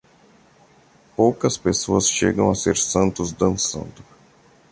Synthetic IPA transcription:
powkɐspesoɐsʃeɡɐ̃w̃aseɾsɐ̃nt̪ʊzd̪ɐ̃sɐ̰̃nd̪ʊ

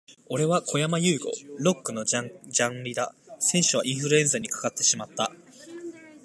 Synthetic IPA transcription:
o̞ɾe̞βakʰo̞jamajɯ̟ːɡo̞̰ɾo̞kːɯ̟no̞d͡ʑãɾʲid̪asẽ̞ɰ̃ɕɨβaʔĩɰ̃ɸɯ̟ɾɯ̟ẽ̞ɰ̃zaɲ̟ikḁkat̪ːe̞ɕimat̪ːa

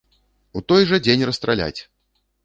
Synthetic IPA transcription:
ut̪ɔjʐɐd͡zʲenʲrɐst̪ɾalʲa̰t͡sʲ

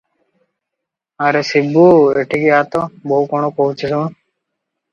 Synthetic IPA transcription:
aɾesibːueʈʰikiɦat̪ɔboɦukɔɳopoɦut͡ɕʰisun

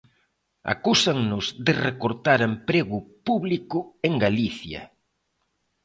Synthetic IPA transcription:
a̰kusaŋnʊzðɪrekoɾt̪aɾempɾeɣʊpuβlikʊeŋɡaliθjɐ̰

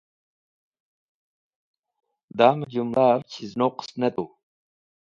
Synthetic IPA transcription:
d̪aːmɐd͡ʑumlaːɾt͡ɕʰiznoqə̥stnɐt̪uː

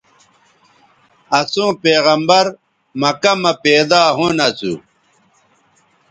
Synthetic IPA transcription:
ɐsũːpeːɣɐmbɐɾ | mɐkɐmɐpeːd̪aːɦũnɐt͡sṵ

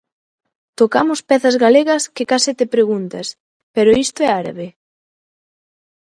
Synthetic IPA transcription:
t̪okamʊspɛθɐzɣaleɣɐskɪkasɪt̪epɾeɣunt̪ɐs | peɾʊist̪oɛaɾa̰βe

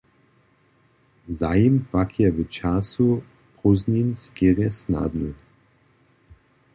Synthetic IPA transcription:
zajimpakʰjɛvət͡ʃasu | pɔzninskeʁɛsna̰d̪nɨ

